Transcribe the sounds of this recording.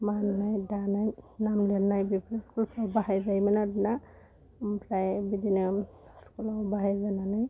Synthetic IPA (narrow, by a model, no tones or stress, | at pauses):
mannajdanajnamleɾnajbipɾiskulpʰɔbaɦajzajmanadna | pɾajbid̪ina | skulɔbaɦajzananaj